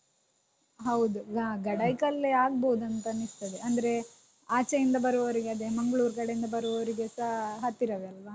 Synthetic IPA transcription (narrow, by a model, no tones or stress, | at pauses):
ɦɐwd̪uɡɐɡɐɽɐjkɐlːeaːɡboːud̪ɐnt̪ɐnist̪ɐd̪eʔɐnd̪ɐɾe̞ | aːt͡ʃɐjind̪ɐbɐɾuʋɐʋɐɾiɡeɐd̪emɐŋɡɭuːɾkɐɽejind̪ɐbɐɾuʋɐʋɐɾiɡesɐɦɐt̪ːiɾɐʋeɐlʋaː